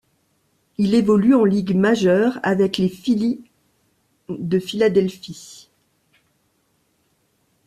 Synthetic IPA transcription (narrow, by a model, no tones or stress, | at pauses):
ilevɔlyɑ̃liɡmaʒœʁavɛklefili | d̪əfilad̪ɛlfi